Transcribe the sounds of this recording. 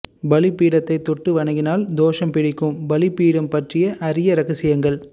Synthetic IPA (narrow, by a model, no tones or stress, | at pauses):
bɐlɪpːiːɽɐt̪ːɐɪt̪ːɔʈːɯʋɐɳɐŋɡɪnaːld̪oːʂɐmpɪɽɪkːɯmbɐlɪpːiːɽɐmpɐʈrɪjɐʔɐɾɪjɐɾɐɣɐsɪjɐŋɡɐɭ